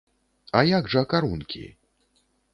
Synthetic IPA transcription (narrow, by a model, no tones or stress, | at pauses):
ajaɡʐɐːkaɾunkʲʰḭ